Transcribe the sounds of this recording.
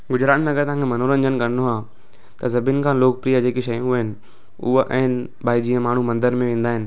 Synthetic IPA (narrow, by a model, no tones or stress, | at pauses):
ɡʊd͡ʑɾaːt̪mẽɐɡəɾt̪ɐʋ̤ãŋkʰemɐnoːɾə̃ɲd͡ʑənɪkɐɾnoaː | t̪ɐzɐbinkʰãːloːk̚pɾiːəd͡ʑeːkiʃɐjũɦɪnɪ̆ | ʊ̰ɦʔɛ̃ːn | baːid͡ʑiːə̃maːɳ̤umɐ̃nd̪əɾmẽʋẽːnd̪aːɦɪnɪ̆